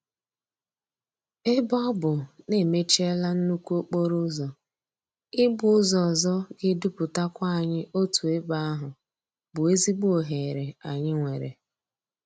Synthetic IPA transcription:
e˦bɔ˦bʊ˨ne˦˨me˦t͡ʃe˦la˦n̩˦nu˦kʷu˦o˦k͡po˦ɾʊ˦zɔ˨ | ɪ˦bʊ˨˦ʊ˦zɔ˨zɔ˦ɡɪ˦du˦pʊ˨ta˦kʷa˦a˨ɲɪ˦ʔo˦tu˨e˦ba˦a˦ɦʊ˨ | bʊ˨e˦zi˦ɡ͡bu˦o˨ɦe˨ɾe˨a˨ɲɪ˦ŋʷe˨ɾḛ˨

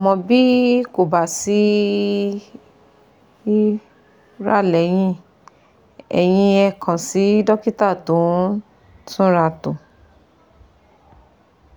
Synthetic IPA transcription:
a˨mɔ̃˧bi˦ko˨ba˨si˨˦ | ɾa̰˦˨lɛ˨˦j̃ĩ˦ | ɛ̰˨j̃ĩ˧ɛ˧kʰã˨si˨˦dɔ˦ki˦ta˦˨tũ˨˦ | sũ˦ɾa˧tũ˨

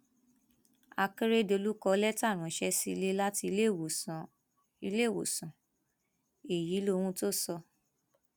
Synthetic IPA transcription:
a˧ke˦ɾe˦do˧lu˦kɔ˧lɛ˦ta˦˨ɾ̃ũ˨˦ʃɛ˦si˧le˦la˦tĩ˧˦˨ | i˧le˦˨wo̰˨sã˨ | e˨ji˨˦lo˧w̃ũ˧˦to˦sɔ˧

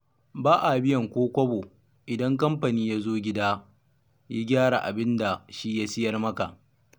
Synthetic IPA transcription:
baː˦ʔa˨bɪ˦jɐ˨ŋkʷoː˦kʷɐ˦bo˨ | ʔɪ˨dɐ˦ŋkɐ˦mɸa˨niː˦ja˦zoː˦ɡʲɪ˦daː˦ | ja˦ɡʲaː˦ɽa̰˨ʔa̰˨bɪ˦nda˨ʃi˦ja˦sɪ˦jɐ˦rmɐ˦ka̰˨ʔ

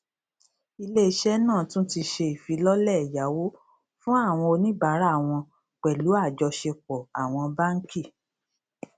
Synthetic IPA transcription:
i˧le˦i˦ʃɛ˦nãː˦˨tũ˦ti˧ʃe˧i˨fi˨˦lɔ˦lɛ˦˨ja˨˦wo˦ | fũ˦a˦˨w̃ɔ̃˧o˧nĩ˦ba˨˦ɾa˦˨w̃ɔ̃˧ | k͡pɛ˨lu˨˦a˦˨d͡ʒɔ˧ʃe˧k͡pɔ˨a˨w̃ɔ̃˧ba˦ŋ̩˦ki˦˨

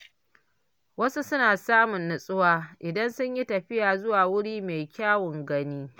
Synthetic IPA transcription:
wɐ˦su˦sʊ˦naː˨saː˦mʊ˨nːʊ˨sʼʊ˦waː˦ʔɪ˨dɐ˦nsʊ˦ɲji˦tɐ˨ɸɪ˦jaː˨zʊ˦waː˨wʊ˦ɽiː˦me˨jkʲaː˦wʊ˨ŋɡɐ˦niː˦

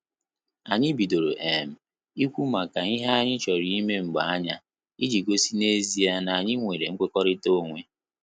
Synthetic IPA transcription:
a˨ɲɪ˦bi˨do˨ɾo̰˨ʔe˨m̩˨ | i˦kʷu˦ma˨ka˨i˦ɦa˦a˦ɲɪ˦t͡ʃɔ˨ɾi˦i˦me˦ŋ͡m̩˨ɡ͡ba˨a˦ɲa˦ | i˦d͡ʒi˨ɡo˦si˦ne˦zi˦a˦na˨a˨ɲɪ˦ŋʷe˨ɾe˨ŋ̩˦kʷe˦kɔ˦ɾɪ˦to˦˨ŋʷe˦

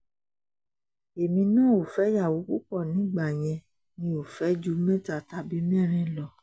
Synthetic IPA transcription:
e˨mĩ˧nã˦˨o˨fɛ˨˦ja˦˨wo˨˦ku˦k͡pɔ˦˨nĩ˨˦ɡ͡ba˦˨j̃ɛ̃˧ | nĩ˧o˨fɛ˨˦d͡ʒu˦mɛ̃˦˨ta˨ta˧bi˨˦mɛ̃˦˨ɾ̃ɛ̃˦˨lɔ˧˨

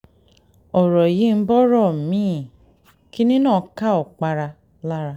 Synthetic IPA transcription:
ɔ˨ɾɔ˨ji˨˦m̩˦bɔ˦ɾɔ˦˨mĩ˨˦˨ | ki˦nĩ˦nãː˦˨˦ka˦ɔ˨k͡pa˧ɾa˧ | la˦ɾa˧

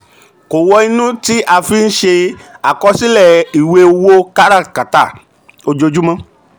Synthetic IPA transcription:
ko˨wɔ˧i˧nũ˦ti˦ʔa˧fi˦n̩˦ʃe˧a˨kɔ˧si˦lɛ˦˨i˨we˧˦wo˦ka˦ɾa˦˨ka˨ta˦˨ | o˧d͡ʒo˧d͡ʒu˦mã˧˦

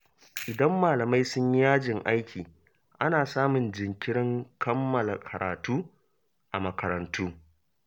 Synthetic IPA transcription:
ʔɪ˨dɐ˦mːaː˨lɐ˨ma˦jsʊ˦ɲi˦jaː˦d͡ʒɪ˨ŋʔa˦jkʲʰiː˨ | ʔa˦naː˨saː˦mʊ˨nd͡ʒɪ˨ŋkʲɪ˦ɽɪ˦ŋkʰɐ˦mːɐ˨la˨kʰɐ˨ɾa̰ː˨tuː˦ | ʔa˨mɐ˨kɐ˨ɾɐ˨ntʰuː˦

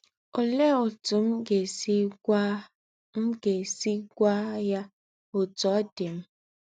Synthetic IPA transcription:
o˨le˦o˨tʊ˨m̩˦ɡe˨si˦ | m̩˦ɡe˨si˦ɡʷa˦ja˦ | o˨tɔ˨˦dɪ˨m̩˦

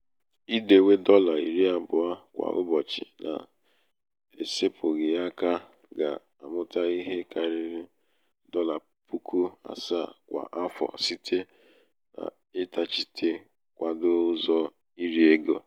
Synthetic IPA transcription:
i˦de˨we˦dɔ˦la˨i˨ɾi˦a˦bʊ˨a˦kʷa̰˨ʔʊ̰˦bɔ˨t͡ʃɪ̰˨nʔa̰˨ | e˨se˦pʰʊ˨ɣɪ˨a˦ka˦ | ɡa̰˨ | a̰˨mʊ˦ta˦i˦ɦe˦ka˨ɾɪ˦ɾɪ˦ | dɔ˦la˨ | pu˦kʰu˦a̰˨sa˦˨kʷa̰˨ʔa˦fɔ̰˨si˦tʰe˦ | na̰˨ | ɪ˦ta˨t͡ʃi˦tʰe˦ | kʷa˨dʊ˦zɔ˦ | i˦ɾi˦e˦ɡo˨

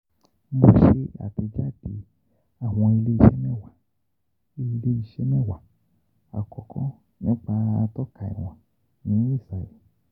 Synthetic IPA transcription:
m̩˦bo˧ʃe˦a̰˨ti˧d͡ʒa˦˨di˧˦ | a˦˨w̃ɔ̃˧i˧le˦i˧˦ʃɛ˦mɛ̃˦˨wa˨ | i˧le˦i˧ʃɛ˦mɛ˦˨wa˨ | a̰˨kɔ˨kʰɔ̃˦ | nĩ˦k͡pa˧a˧tɔ˦kʰa˨ḭ˨w̃ã˨ | nĩ˨˦i˦˨sa˨ɛ˨

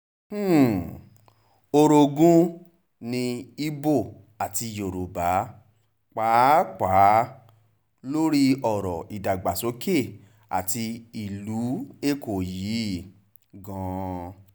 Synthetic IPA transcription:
o˧ɾo˧ɡũ˦ | nĩ˧i˦bo˦˨ | a˨ti˧jo˨ɾo˨ba˨˦ | k͡paː˨˦k͡paː˨˦ | lo˦ɾi˦ɔ˦˨ɾɔ̰˨ʔi˨da˨ɡ͡ba˨so˨˦ke˦˨ | a̰˨ti˧i˨lu˨˦e˦˨ko˨ji˨˦ | ɡɔ̃˧

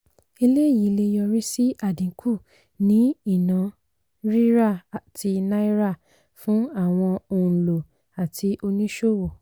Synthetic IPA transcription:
e˧le˦˨ji˨˦le˧jɔ˧ɾi˦si˦a˦˨dĩ˨˦kʰu˦˨ | nĩ˨˦i˦˨nã˨˦ | ɾi˦ɾa˦˨tʰi˧na˦i˦ɾa˦˨ | fũ˨˦a˦˨w̃ɔ̃˧o˧˨ũ˨lo˨ | a˨tʰi˧ʔo˧nĩ˦ʃo˦˨wɔ˨

